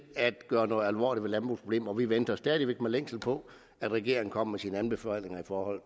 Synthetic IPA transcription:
æd̥ɡ̥ɶːɐnɔːð̩ˠælʋɒ̰ːliʋelænb̥ṵspʰob̥le̝̰ːmɐɒʋiʋend̥ɐsd̥ɛːðˠiʋeɡ̥meleŋ̰sl̩pʰɒ̽ | æd̥ʁɛɡ̥e̝ɐ̰eŋ̩kʰɒ̽m̰mesiːnəænb̥e̝fɛlne̝ŋɐifɒːhɒ̽l̰

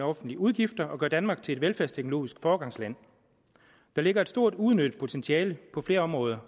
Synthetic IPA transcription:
ɒ̽fn̩d̥liuð̞ˠɡ̥ifd̥ɐʔɒ̽ɡ̥ɶɐd̥ænmɑ̈ːɡ̥̚t͡sʰe̝e̥ʋelfæɐst͡sʰeɡ̥noo̝̰ːisɡ̥fɒːɡ̥ɑ̈ŋslæn̰ | d̥ɑ̈le̝ɡ̥ɐe̝d̥sd̥o̝ɐ̰d̥uð̞ˠnød̥̚pʰo̝t͡sʰent͡sʰiɛːləpʰɒ̽fle̝ːɐɒ̽mʁɔ̽ːð̞ˠɐ

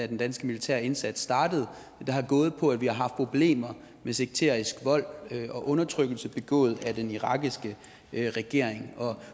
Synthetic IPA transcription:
æd̥end̥ænsɡ̥əmilit͡sʰæ̰ɐ̰e̝nsæd̥sd̥ɑ̈ːd̥əð̞̩ˠ | d̥ɑ̈ɦɑ̈ɡ̥ɔ̽ːð̞̩ˠpʰɒ̽ædʋihɑ̈ɦɑ̈fd̥̚pʰo̝b̥le̝̰ːmɐ | mese̝ɡ̥̚t͡sʰeɐ̰isɡ̥ʋɒ̽l̰ɒ̽ʔɔ̽nɐt͡sʰʁœɡ̥l̩səb̥e̝ɡ̥ɔ̰ːð̞̩ˠæd̥eniʁɑ̈ɡ̥isɡ̥ə | ʁɛɡ̥e̝ɐ̰e̝ŋɒ̽

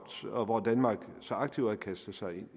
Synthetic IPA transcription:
d̥ɒ̽ʋɒd̥ænmɑ̈ːɡ̥ | sɒ̽ɑ̈ɡ̥̚t͡sʰiʊ̰ækʰæsd̥̩sɑ̈ɪe̝n̰

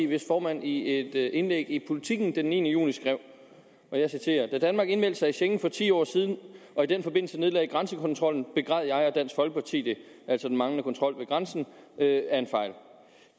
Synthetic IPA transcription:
ʋe̝sfɒːmæn̰ie̝d̥e̝nleɡ̥ipʰo̝lit͡sʰiɡ̥n̩d̥enːiːnəjṵːnisɡ̥ʁɛʊ̰ | ʔɒ̽jɑ̈ɪsit͡sʰe̝̰ːɐd̥æd̥ænmɑ̈ːɡ̥e̝nmel̰d̥sɑ̈ɪiɕeŋn̩fɒ̽t͡sʰḭːɒ̰ːsiːð̞ˠn̩ʔɒ̽id̥enfɒ̽be̝n̰l̩səne̝ð̞ˠɛ̰ɪɡ̥ʁɑnsəkʰɒ̽nt͡sʰʁɒ̽l̰n̩b̥e̝ɡ̥ʁɑð̰ˠjɑ̈ɪɒd̥æn̰sfɒ̽lɡ̥əpʰɑ̈t͡sʰḭːd̥e | æl̰sɒ̽d̥n̩mɑ̈ŋnəkʰɒ̽nt͡sʰʁɒ̽l̰ʋe̝ɡ̥ʁɑnsn̩ | øæɐe̝nfɑ̈ɪl

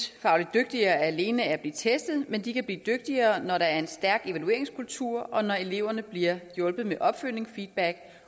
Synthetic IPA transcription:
fɑ̈ʊlid̥̚d̥øɡ̥̚d̥iɐːæle̝ːnəæɐb̥lḭːt͡sʰesd̥ð̩ˠmend̥ikʰæb̥lḭːd̥øɡ̥̚d̥iɐːnɒɾɑ̈æɐe̝nsd̥æɐɡ̥e̝ʋælue̝ɐ̰e̝ŋskʰult͡sʰuɐ̰ɒ̽nɒe̝le̝ʊ̰ɐnəb̥liɐjɔ̽lb̥ð̩ˠmeʔɒ̽b̥føl̰ne̝ŋfiːd̥̚b̥æɡ̥

